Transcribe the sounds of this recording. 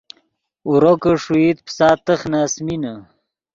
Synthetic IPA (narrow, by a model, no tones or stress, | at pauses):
uɾokəʂuit̪̚psaːt̪əxnaːsmina